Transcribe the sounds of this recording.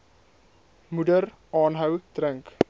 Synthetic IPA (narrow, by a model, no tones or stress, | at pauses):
mudər | ɑːnɦəwtrəŋk